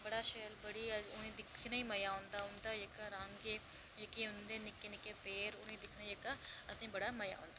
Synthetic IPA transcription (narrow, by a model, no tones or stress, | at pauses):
bəɽaːʃeːəlbəɽiːəʊnẽːd̪ɪkʰnaːiːməjaːʊ̃ːnd̪aːʊnd̪aːjekaɾãːŋɡeː | d͡ʒekeːʊnd̪eːnɪkːeːnɪkeːpeːɾʊnẽːd̪ɪkʰnaːiekaːəsĩːbəɽaːməja̰ːɦõ̰ːnd̪aː